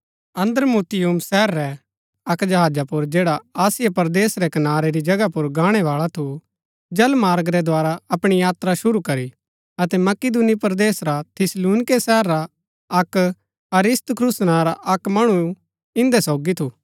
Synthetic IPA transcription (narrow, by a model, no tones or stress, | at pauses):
ɐ̃nd̪əɾmuːt̪ɪjumsɛːɾːɛ | ɐkd͡ʒɐɦaːd͡ʒapʊɾd͡ʒeːɽaaːsɪjapɐɾd̪eːsɾɛkɐnaːɾeɾid͡ʒɐɡapʊɾɡaːɽ̃ɛʋaːɭat̪ʰu | d͡ʒɐlmaːɾɡɾɛd̪ʱaːɾaɐpɽ̃ijaːt̪ɾaʃʊɾukɐɾi | ɐt̪ɛmɐkɪd̪unipɾd̪eːsɾat̪ʰɪsluːnɪkesɛːɾːa | ɐk | ɐɾɪst̪kʰɾusnaɾaʔɐkmɐɽ̃u | ɪ̃nd̪ɛsɔːɡit̪ʰu